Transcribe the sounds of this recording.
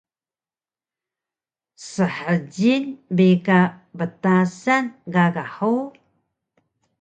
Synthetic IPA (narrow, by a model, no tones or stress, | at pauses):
səħəɟinbekabətasanɡaɡaħuw